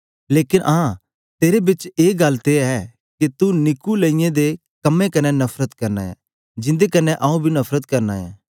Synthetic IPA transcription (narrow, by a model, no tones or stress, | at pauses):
leːkɪnʔãː | t̪eːɾebɪt͡ʃeːɡɐlt̪eɛ | ket̪unɪkuleĩjẽd̪e | kɐmːẽkɐnenɐpʰɾət̪kɐɾna̰ːɛ̰ː | d͡ʒɪ̃nd̪ekɐnːeʔɐũbʱinɐpʰɾət̪kɐɾnaɛ̰ː